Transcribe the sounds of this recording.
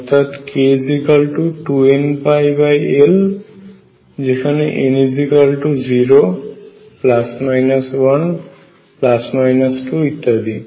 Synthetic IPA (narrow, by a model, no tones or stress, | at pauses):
ʌt̪ʰat̪kezikalʈuʈuenpʰajbajel | d͡ʒekʰaneʔenizikəlʈuziɾo | plasmajnaswʌn | plasmajnʌsʈuit̪ːad̪i